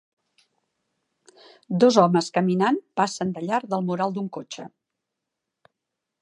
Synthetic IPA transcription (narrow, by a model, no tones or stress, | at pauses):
d̪ɔzɔməskəminanpasənd̪əʎaɾd̪əlˠmuɾalˠd̪uŋkot͡ʃə